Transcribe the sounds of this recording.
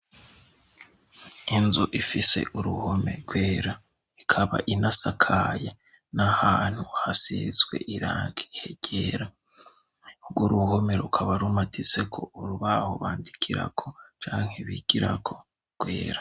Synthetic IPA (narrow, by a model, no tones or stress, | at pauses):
inzuʔifise̞̰ʔuɾuhome̞̰ɾɡwe̞ːɾa | ikʰaβa̰ʔinasakʰaje | nahaːn̥huhasḭzɡwe̞̰ʔiɾaːŋɡi̥heɟ̥eɾa | uɡwoɾuhome̞ɾukʰaβaɾumatʰit͡se̞kʰo̞uɾuβaho̞̰βaːndikʰiɾa̰kʰot͡ʃaːŋ̥heβiɡ̥iɾa̰kʰo̞ | ɡ̥we̞ːɾḁ